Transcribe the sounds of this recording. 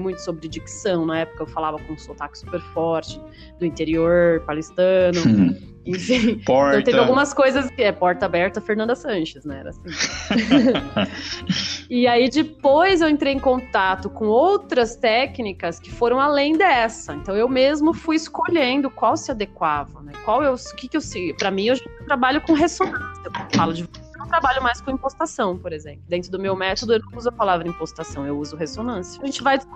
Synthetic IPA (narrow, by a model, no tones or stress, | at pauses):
mũj̃t̪ʊ̥sobɪɾɪd͡ʒiksɐ̃w̃nɐɛpʊ̥kɐewfalavɐkõũsot̪akɪ̥su̥peɾfɔɾt͡ʃɪ | d̪ʊĩnt̪eɾioɾpalist̪ɐ̃nʊ | ẽfĩpɔɾẽt̪evɪawɡũmɐskojzɐskɪɛpɔɾt̪ɐabɛɾt̪ɐfeɾnɐ̃nd̪ɐsɐ̃ʃɪsnɛ̃ɛ̰ɾɐ̰asĩ | ɪaid͡ʒɪpojzewẽnt̪ɾejẽkõt̪at̪ʊkõowt̪ɾɐst̪ɛknikɐskɪ̥foɾɐ̃w̃alẽj̃d̪ɛsɐẽnt̪ɐ̃w̃ewmezmʊfujɪskoʎẽnd̪ʊkwawsɪad̪ekwavɐnɛkwawewsʊkɪkɪewsipɾɐmĩɐaʒẽt͡ʃt̪ɾabaʎʊkõɦesonɐ̃sɐewfalʊd͡ʒɪvsosenɐ̃w̃t̪ɾabaʎʊmajskõĩpost̪asɐ̃w̃poɾezẽmplʊd̪ẽnt̪ɾʊd̪ʊmewmɛt̪od̪ʊewnɐ̃uzʊɐpalavɾɐĩpost̪asɐ̃w̃ewuzʊɦesonɐ̃sjɐʒẽnt͡ʃɪvajɪ